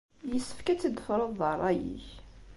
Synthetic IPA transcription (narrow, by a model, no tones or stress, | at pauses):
jəsːə̥fkæt͡sːəd̪əfɾˤəðˤəɾˤæjḭç